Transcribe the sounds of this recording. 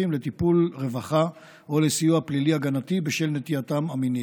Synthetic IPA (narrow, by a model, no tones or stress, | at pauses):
imlet̪ipulʁe̞vaχa | olesijuapliliaɡanat̪ibeʃelnet̪iat̪amamini